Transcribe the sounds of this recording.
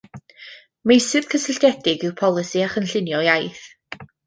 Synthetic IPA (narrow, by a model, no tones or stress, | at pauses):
mejsɨð̥kʰəsɪɬdɛdɪɡɪwpʰɔlˠɨsiaχənɬɪnjɔjajθ